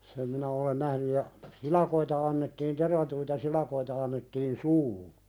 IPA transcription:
sem minæ olen næhny jɑ silɑkoitɑ ɑnːetːiːn terʋɑtuitɑ silɑkoitɑ ɑnːetːiːn suːhu

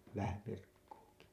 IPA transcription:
ʋæhæ ʋirkːuːki

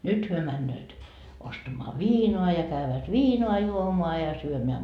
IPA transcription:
nyt hyø mænːøːt ostɑmoɑ ʋiːnoɑ jɑ kæyʋæt ʋiːnoɑ juomoɑ jɑ syømeæ

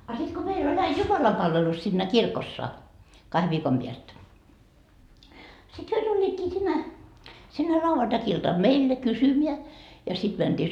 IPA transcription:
ɑ sit ko meil ol ɑi jumɑlɑmpɑlʋelus sinːæ kirkosːɑ kɑhe ʋiːkom piæst sit hyø tulʲːiːtkiː sinːe sinːe lʲɑuʋɑntɑkiltɑm meilːe kysymiæ jɑ sid̥ mænd̥iː

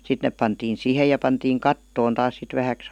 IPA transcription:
sit nep pɑntiːn̞ siˑhej jɑ pɑntiːŋ kɑtːoːn tɑːs sit ʋæhæks

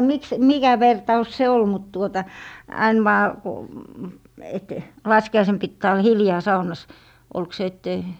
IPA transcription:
miks et mikæ ʋertɑus se ol mut tuotɑ ɑin ʋɑː ku et lɑskiɑisen pitːæː olːɑ̆ hiljɑː sɑunɑs olk se etːei

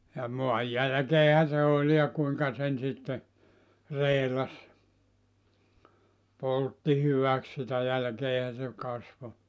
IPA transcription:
jɑ moɑj jælæ̆keːhæ se olʲ jɑ kuiŋkɑ sen sitːe reːlɑs poltːi hyʋæk sitæ jælkeːhæ se kɑsʋo

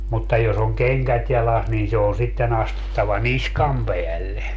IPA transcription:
mutːɑ jos oŋ keŋkæt jɑlɑs niːn se on sitːen ɑstutːɑʋɑ niskɑm peælːe

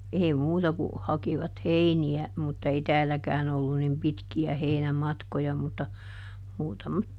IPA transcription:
eːi muːtɑ ku hɑkiʋɑt heiniæ mutːɑ ei tæːlækæːn olːu nim pitkiæ heinæmɑtkojɑ mutːɑ muːtɑmɑt

